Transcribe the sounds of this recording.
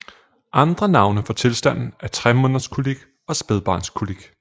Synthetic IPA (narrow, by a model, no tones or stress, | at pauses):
ʔɑ̈nd̥ʁɐnɑ̈ʊnəfɒ̽t͡sʰe̝lsd̥æn̰n̩æɐt͡sʰʁɛmɔn̰ˠɐskʰuliɡ̥ | ɒ̽sb̥eðˠb̥ɑ̰̈ːnskʰuliɡ̥